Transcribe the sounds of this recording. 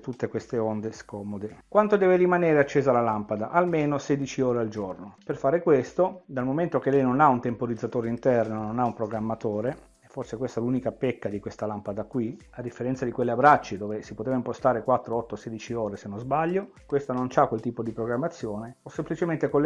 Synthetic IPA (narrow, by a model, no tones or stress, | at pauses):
t̪ut̪ːekwest̪eond̪eskɔmod̪ekwant̪od̪ɛːveɾimaneːɾeat͡ʃːeːzalalampad̪aʔalmeːnoseːd̪it͡ʃioːɾeald͡ʒornoperfaːɾekwest̪od̪almoment̪ok̟elɛjnonaunt̪empoɾid̪zːat̪oːɾeint̪ɛrnononaumpɾoɡɾamːat̪oːɾe | ɛfːorsekwest̪aɛlunikapekːad̪ikwest̪alampad̪akwi | ad̪ːifːeɾɛnt̪sad̪ikwelːiabɾat͡ʃːid̪oːvesipot̪eːvaimpost̪aːɾekwat̪ːɾoɔt̪ːoseːd̪it͡ʃioːɾesenːozbaʎːo | kwest̪anont͡ʃakːwelt̪iːpod̪ipɾoɡɾamːat̪sːjoːneosːemplit͡ʃement̪ekolː